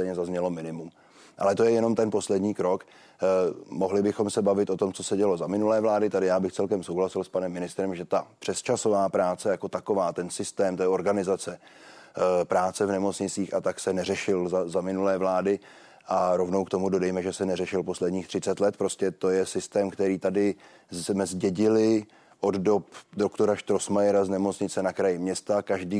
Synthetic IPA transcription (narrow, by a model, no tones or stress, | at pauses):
ɛjɲɛzazɲɛlo̞mɪnɪmum | ʔa̰lɛt̪o̞jɛjɛno̞mt̪ɛnpo̞slɛdɲiːkɾo̞k | moɦlɪbɪxo̞msɛbavɪt̪ʔo̞t̪o̞mt͡so̞sɛɟɛlo̞zamɪnulɛːvlaːdɪt̪adɪjaːbɪxt͡sɛlkɛmsowɦlasɪlspanɛmːɪnɪst̪ɾɛmʒɛt̪apr̝̥ɛst͡ʃasovaːpɾaːt͡sɛjako̞t̪ako̞vaːt̪ɛnsɪst̪ɛːmt̪oɛɛʔo̞ɾɡanɪzat͡sɛ | pɾaːt͡sɛvnɛmo̞t͡sɲɪt͡siːxat̪aksɛnɛrɛʃɪlzazamɪnulɛːvlaːdɪ | ʔaɾo̞vno̞wkt̪o̞mudo̞dɛjmɛʒɛsɛnɛrɛʃɪlpo̞slɛdɲiːxt̪r̝̥ɪt͡sɛt̪lɛt̪̚pɾo̞scɛt̪o̞jɛsɪst̪ɛːmkt̪ɛɾiːt̪adɪ | zmɛzɟɛɟɪlɪ | ʔo̞ddo̞pdokt̪o̞ɾaʃt̪ɾo̞smajɛɾaznɛmo̞t͡sɲɪt͡sɛnakɾajɪmɲɛst̪akaʒdiː